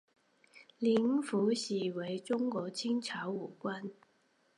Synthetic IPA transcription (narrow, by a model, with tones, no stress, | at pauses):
li˧˥ŋfu˨˧˥ɕi˨˩we˨˥ɪʈ͡ʂʊ˥ŋkwɔ˨˧˥t͡ɕʰi˥ŋt͡sʰa˨˧˥ʊu˨˩kwa˥n